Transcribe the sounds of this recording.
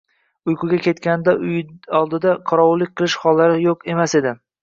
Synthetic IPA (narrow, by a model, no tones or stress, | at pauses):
ʊjqʰʊɡʲakʲʰe̞t̪kʲanɪd̪aʔʊjɒlˠd̪ɪd̪aqʰɒɾɒwʊlːɪk̚ʲqʰɨlˠɪʃhɒlːaɾɪjoqʰe̞mase̞d̪ɪ